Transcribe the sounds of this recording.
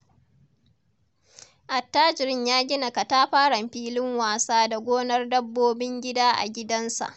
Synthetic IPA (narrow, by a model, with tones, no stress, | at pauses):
ʔa˨tːaː˦d͡ʒɪ˨ɾɪ˦ɲjaː˦ɡʲɪ˦na˨ka˨taː˦ɸaː˦ɽɐ˨mɸiː˦lɪ˦ŋwaː˨saː˦da˨ɡʷoː˦nɐ˦rdɐ˦bːoː˦bɪ˦ŋɡʲɪ˦daː˦ʔa̰˨ɡʲɪ˦dɐ˦nsa̰˨ʔ